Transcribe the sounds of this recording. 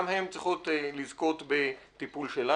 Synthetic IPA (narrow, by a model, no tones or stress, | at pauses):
mhemt͡sʁiχotlizko̞t̪bet̪ipulʃela